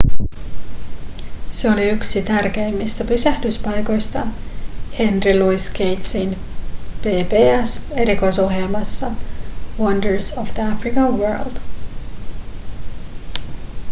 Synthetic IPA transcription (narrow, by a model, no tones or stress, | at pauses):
seo̞liyksit̪ærk̟e̞jmːist̪æpysæhdyspɑjko̞jst̪ɑhe̞nriluiske̞jt̪sin | peːpeːæse̞ɾiko̞jso̞ɦjelmɑsːɑwʌndəɹsofd̪əæfɾikɑwɜ̰ːld̪̥